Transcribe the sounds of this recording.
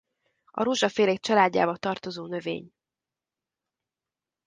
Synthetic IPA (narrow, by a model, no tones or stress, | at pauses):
ɒ̰ɾuʒɒfeːlek̚t͡ʃɒlaːɟːa̰ːbɒt̪ɒrt̪o̞zoːnø̞vḛːɲ